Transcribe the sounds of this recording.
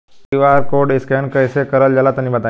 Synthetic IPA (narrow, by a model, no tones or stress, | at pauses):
iʋaɾkoɾɖiskɛnkəjsekəɾəld͡ʒalat̪ənibət̪a